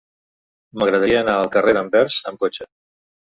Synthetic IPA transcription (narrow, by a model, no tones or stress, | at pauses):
məɣɾəð̞əɾiəːnaəlˠkəreðəmbɛɾzəmkot͡ʃə